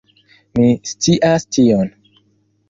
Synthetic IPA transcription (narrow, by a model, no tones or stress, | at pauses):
mist͡siʔastʰion